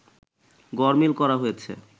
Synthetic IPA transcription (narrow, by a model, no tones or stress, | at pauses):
ɡɔɾmilkɔɾaɦojet͡ɕʰḛ